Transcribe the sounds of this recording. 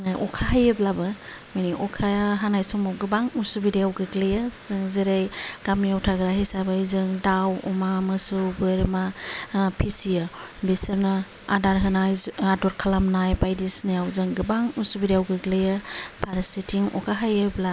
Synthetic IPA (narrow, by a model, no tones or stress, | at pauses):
najʔɔkʰaɦajɯblabɯ | maniʔɔkʰaɦanajsɔŋmawɡɯbaŋusubiɾeawɡɯɡlejaz̥ɯŋzeɾejɡ̥amijawtʰaɡɾaɦesabajzɯŋdawɔ̰mamɯsɯwbɯɾmapʰisijɯbisɯɾna | adaɾɦɯnajadɔɾkʰalamnajbajdisnajawzɯŋɡɯbaŋusubiɾeawɡɯɡlejapʰaɾsitʰiŋɔ̰kʰaɦajebla